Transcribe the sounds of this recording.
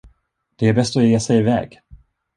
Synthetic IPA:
d̪̥ɛæɾbɛst̪ɔjeːsɛjɪvɛ̰ːɡ

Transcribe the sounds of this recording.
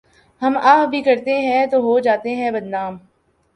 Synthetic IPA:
hɐmaːɦbʱikɐɾt̪eɦɛ̃t̪oːɦod͡ʒaːt̪eɦɛ̃bɐd̪naːm

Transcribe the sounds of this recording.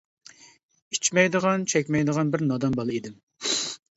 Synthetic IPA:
it͡ʃmɛjd̪əʁɑnt͡ʃʰɛkʲmɛjd̪əʁɑnbɪɾnɑd̪ɑmbɑlˠɨid̪ɪm

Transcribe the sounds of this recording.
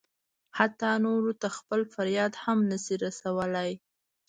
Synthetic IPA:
hat̪ːɑnoɾot̪axpəlfaɾjɑd̪hamnəsiɾasawəlaj

